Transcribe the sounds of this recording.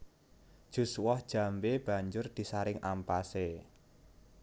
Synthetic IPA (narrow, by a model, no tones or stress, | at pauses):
d̥ʒ̥ṳswɔhd̥ʒ̥ä̤mbeb̥a̤ɲd͡ʒʊrd̪̥i̤saɾɪŋʔampase